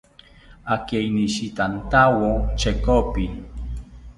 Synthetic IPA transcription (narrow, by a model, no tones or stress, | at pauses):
akeiniʃit̪ant̪awot͡ʃekopi